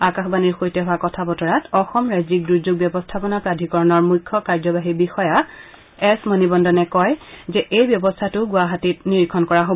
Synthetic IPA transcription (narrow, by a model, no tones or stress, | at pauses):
akaxbaniɹxojtɛɦʊakɔtʰabɔtɔɹatɔxɔmɹajzik̚dɹuzuɡ̚bjɔbɔstʰapɔnapɹadʱikɔɹɔnɔɹmujkʰːɔkaɹzɔbaɦibixɔja | ɛsmonibɔndɔnɛkɔjzɛʔejbjɔbɔstʰatʊɡʊaɦatitniɹikʰɔnkɔɹaɦob